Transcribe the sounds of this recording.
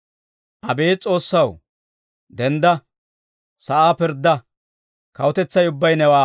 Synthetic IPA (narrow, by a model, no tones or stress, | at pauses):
ʔɐbeːt͡sʼo̞ːsːɐw | d̪ɛnd̪ɐ | sɐʔaːpɪɾd̪ːɐ | kɐwɔt̪ɛt͡sːɐjʊbːɐjnɛwaː